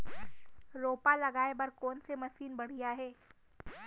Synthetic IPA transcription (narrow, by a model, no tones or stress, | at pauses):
ɾoːpalɐɡaːebɐɾkɔːnsemɐsiːnbɐɽ̤ijaɦɛː